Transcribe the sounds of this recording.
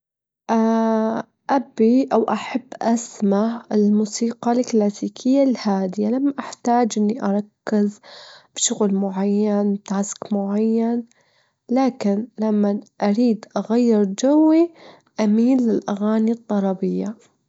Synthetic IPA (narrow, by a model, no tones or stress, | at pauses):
ʔa | ʔabiʔawʔaħabːʔasmaʕɪlmuːsiːqɑlklaːsiːkʰɪjːalhaːd̪ɪjalamːaʔaħt̪aːd͡ʒʔɪnːiʔɑɾˤɑkːɪzb̥ʃʊɣlmʊʕajːanwt̪askmʊʕajːan | laːkɪnlamːaʔaɾiːd̪ʔaɣajːɪɾd͡ʒawːi | ʔamiːnlːɪlʔaɣaːnid̪ˤːɑlˤɑbɪjːa